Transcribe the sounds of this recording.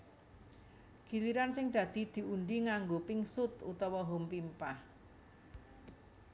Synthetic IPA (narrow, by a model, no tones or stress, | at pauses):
ɡ̥i̤liɾansɪŋd̪̥ä̤d̪̥i̤d̪̥i̤unɖiŋaŋɡopɪŋsʊt̪ṵt̪ɔwɔɦompimpah